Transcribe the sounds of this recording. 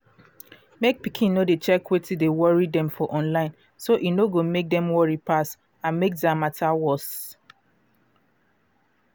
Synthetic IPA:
mek̚pikʰĩnnodet͡ʃɛkwetʰidewɔɹidɛ̃mfɔʔɔ̃nlãɪ̃n | soʔinoɡomek̚dɛ̃mwɔɹipʰas | ãnmek̚damatʰawɔs

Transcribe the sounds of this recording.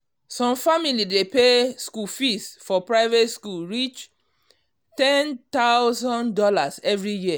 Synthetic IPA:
sɔ̃mfamilidepeskufistfɔpɹaɪvetskulɹit͡ʃ | tɛ̃nt̪aʊwzɔ̃ndɔlasɛvɹiji

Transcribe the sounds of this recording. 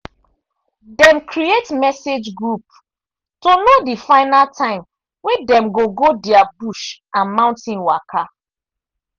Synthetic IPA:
dɛ̃mkʰɾietmɛsed͡ʒɡɹup̚ | tonodifaɪnaltʰãɪ̃m | wɛ̃dɛ̃mɡoɡodiabuʃ | ãnmãʊ̃ntĩnwakʰa

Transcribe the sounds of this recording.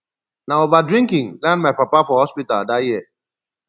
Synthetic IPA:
naovadɹĩŋkĩŋlɛ̃ndmajpapafɔhɔspitaldajiə

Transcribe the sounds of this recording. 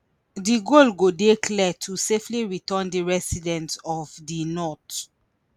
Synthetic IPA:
diɡolɡodekʰlɛtʰusefliɹitə̃ndiɹɛsidɛ̃ntɔvdinɔt

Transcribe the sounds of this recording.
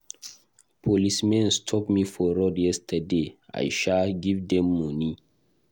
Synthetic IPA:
pʰolismɛ̃nstʰɔpmifɔɹɔdjɛstʰədea̰jʃalɡivdɛ̃mːɔ̃ni

